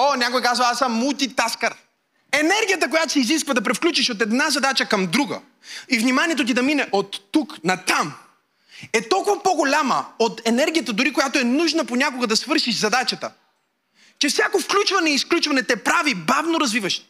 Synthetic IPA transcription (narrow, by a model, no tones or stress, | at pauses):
onʲakojkazvɐasːɐmːut̪it̪askəɾ | ɛnɛɾɡʲijət̪̬ək̬ojat̪osɛiziskvɐd̪ɐp̬ɾɛfklʲut͡ʃiʃot̪̬ɛd̪nazɐd̪at͡ʃəkɐmd̪ɾuɡə̰ | ivnimaniɛt̪ot̪̬id̪ɐminɛʔot̪ːuknɐt̪am | ɛt̪ɔlˠkʊvɐpoɡolʲamə̰ot̪ɛnɛɾɡʲijət̪əd̪ʊɾikojat̪oɛnuʒnəponʲakoɡəd̪ɐsvɤɾʃiʃzɐd̪at͡ʃɐt̪ə̰ | t͡ʃɛfsʲjakofklʲut͡ʃvɐnɛiːsklʲut͡ʃvɐnɛt̪ɛpɾavibavnoɾɐzvivɐʃ